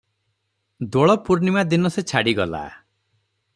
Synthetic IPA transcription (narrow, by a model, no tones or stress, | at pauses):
d̪oɭɔpuɾnimad̪inɔset͡ʃʰaɽiɡɔla̰